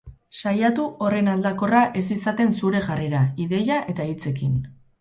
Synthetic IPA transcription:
sajat̪uo̞re̞nald̪ako̞raʔe̞s̬isat̪e̞nsuɾe̞ʝareɾaiðe̞jaʔe̞t̪ait͡se̞kin

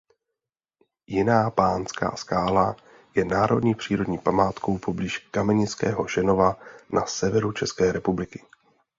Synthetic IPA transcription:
jɪnaːpaːnska̰ːskaːla | jɛnaːɾo̞dɲiːpr̝̥iːɾo̞dɲiːpamaːt̪ko̞wpo̞bliːʃkamɛɲɪt͡skɛ̰ːɦo̞ʒɛno̞vanʔa̰sɛvɛɾut͡ʃɛskɛːɾɛpublɪkɪ̥

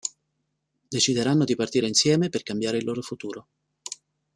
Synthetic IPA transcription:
d̪et͡ʃid̪eɾanːod̪ipart̪iːɾeinsjɛːmeperkambjaːɾeilːoːɾofut̪uːɾo

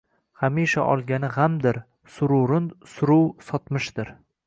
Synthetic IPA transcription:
hamiʃa̰ʔɒ̰lˠɡʲanɪʁamd̪ɪɾ | sʊɾʊɾɪnsʊɾʊwsɒt̪mɪʃd̪̥ɪɾ

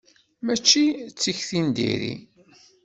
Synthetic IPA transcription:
mæt͡ʃːit͡sːiçθind̪ḭɾḭ

